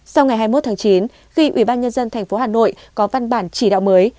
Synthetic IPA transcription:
sa˧wŋa˨˩jɦaː˧jmo˦˥t̪̚ʰːŋt͡ɕi˨˦n | xi˧ʔḭ˧˩ɓaː˧nɲə˧nzə˧nt̪ʰjŋ̟fo˨˦haː˨˩no̰˧˨j | kɔ˨˦va˧nɓaː˧˩nt͡ɕi˧˩ɗa̰ː˧˨wməː˨˦j

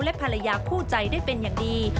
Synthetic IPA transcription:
lɛ˦˥pʰa˧la˧jaː˧kʰuː˥˩t͡ɕa˧jdaː˥˩jpe˧njaː˨˩ŋdiː˧

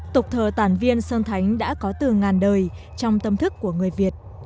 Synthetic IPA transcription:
t̪ʊ˨˩k͡p̚t̪ʰəː˨˩t̪aː˧˩nvi˧ənsəː˧nt̪ʰa˨˦jŋ̟ɗa̰ː˧˥kɔ˨˦t̪ɨ˨˩ŋaː˨˩nɗəː˨˩j | t͡ɕɔ˧wŋ͡mt̪ə˧mt̪ʰɨ˦˥kːu˧˩əŋɨ˨˩əjvi˨˩ət̚

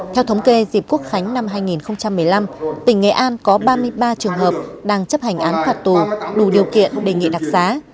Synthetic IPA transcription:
t̪ʰɛ˧wt̪ə˨˦wŋ͡mke˧zi˨˩p̚ku˦˥ək̚xa˨˦jŋ̟na˧mɦaː˧jŋi˨˩nxə˧wŋ͡mt͡ɕa˧mːɨ˨˩əjla˧mt̪ï˨˩ŋ̟ːŋḛ˧˨ʔaː˧nkɔ˨˦ɓaː˧mɨ˧əjɓaː˧t͡ɕɨ˨˩əŋɦəː˨˩p̚ɗaː˧ŋt͡ɕə˦˥p̚ha˨˩jŋ̟ʔaː˨˦nfaː˨˩t̚t̪u˨˩ɗu˧˩ɗi˨˩əwkḭ˧˨ənɗe˨˩ŋḭ˧˨ɗa˨˩k̚zaː˨˦

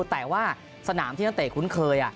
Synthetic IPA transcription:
t̪ɛː˨˩waː˥˩ | sa˧naː˩˦mʰiː˥˩˥t̪eː˨˩kʰu˧˥nkʰɤː˧jʔa˨˩ʔ

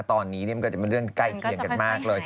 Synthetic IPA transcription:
t̪ɔː˧nːiː˦˥ni˥˩ma˨nkɔ˥˩t͡ɕa˨˩pe˧nɾɯ˥˩əŋka˧˥˩jki˧˩ənka˨˧nmaː˥˩k̚lɤː˧j

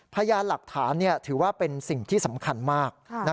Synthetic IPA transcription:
pʰa˧jaː˧nla˨˩k̚t̪ʰaː˩˦nːi˥˩ɐt̪ʰɯː˩˦waː˥˩pe˧nsi˨˩ŋt̪ʰiː˥˩sa˩˦mkʰa˧nmaː˥˩k̚na˦˥

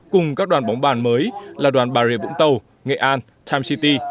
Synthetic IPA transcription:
kʊ˨˩ŋ͡mkaː˦˥k̚ɗwaː˨˩nɓɔ˨˦wŋ͡mɓaː˧˩nməː˨˦jlaː˨˩ɗwaː˨˩nɓaː˨˩ɾi˧˩vʊ̰˧˥ŋ͡mt̪ə˨˩w | ŋḛ˧˨ʔaː˧n | t͡ɕaː˧msi˧t̪i˧

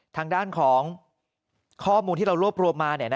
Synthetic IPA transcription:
t̪ʰaː˧ŋdaː˥˩nkʰɔː˩˦ŋ | kʰɔː˥˩muː˧nt̪ʰiː˥˩ɾa˧wɾu˥˩əp̚ɾu˧əmːaː˧ni˥˩na˦

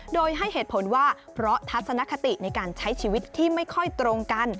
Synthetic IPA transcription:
doː˧jɦa˥˩jɦeː˨˩t̪̚pʰo˩˦nwaː˥˩pʰɾɔ˦˥t̪ʰa˦˥t̪̚sa˧na˦˥kʰa˧t̪i˨˩na˧jkaː˧nt͡ɕʰa˦˥jt͡ɕʰiː˧wi˦˥t̪ʰːiː˥˩ma˥˩jkʰɔ˥˩jt̪ɾo˧ŋka˧n

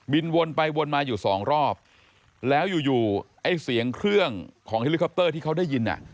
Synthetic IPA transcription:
bi˧nwo˧npa˧jwo˧nmaː˧juː˨˩sɔː˩˦ŋɾɔː˥˩p̚ | lɛː˦˥wjuː˨˩juː˨˩ʔa˧˥˩jsi˩˦əŋkʰɾɯ˥˩əŋkʰɔː˩˦ŋhi˦˥li˦˥kʰɔ˧˦p̚t̪ɤː˥˩t̪ʰiː˥˩kʰa˥wdaː˥˩jːi˧nʔa̰˨˩ʔ

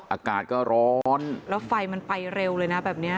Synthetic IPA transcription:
ʔaː˧˩kaː˨˩t̪̚kɔː˥˩ɾɔː˦˥nlɛː˦˥wfa˧jma˧npa˧jɾe˧wlɤː˧jna˦˥bɛː˨˩p̚ni˦˥ɐ

